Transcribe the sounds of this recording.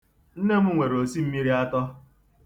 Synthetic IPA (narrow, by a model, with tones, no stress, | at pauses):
n̩˦ne˦m̩˦ŋʷe˨ɾo˨si˦m̩˦mi˦ɾi˦a˦tɔ˦